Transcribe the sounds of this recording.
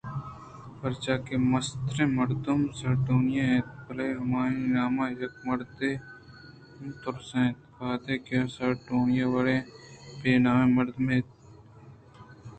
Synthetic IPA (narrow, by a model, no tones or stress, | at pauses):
pɐɾt͡ʃaːkemɐst̪ɾẽːmɐɾd̪ʊmsɐɾʈoːnɪjãẽːt̪pɐleːɦɐmaːĩnaːmãːjɐkmɐɾd̪eː | mt̪ʊɾsẽːt̪kaːd̪eːkːsɐɾʈoːnɪjaʋaɽẽːpeːnaːʋẽmɐɾd̪mẽːt̪